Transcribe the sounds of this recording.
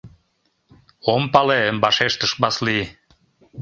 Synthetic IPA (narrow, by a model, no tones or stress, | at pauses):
ompɑleəmbɑʃeʃt̪əʃbɑsli